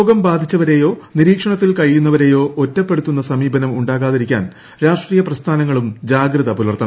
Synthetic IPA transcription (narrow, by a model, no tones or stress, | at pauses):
oːɡɐmbaːd̪ʱit͡ɕːɐʋɐɾe̞ːjo̞ːniɾiːkʂɐɳɐt̪ːilkɐɻjunːɐʋɐɾe̞jo̞ːʔotːɐpːe̞ɽut̪ːunːɐsɐmiːbɐnɐmuɳɖaːɣaːðiɾikʲːa̰ːn | ɾaːʂʈriːjɐprɐst̪ʰaːnɐŋːɐɭumd͡ʑaːɡɾɐðɐpulɐrt̪ʰːɐn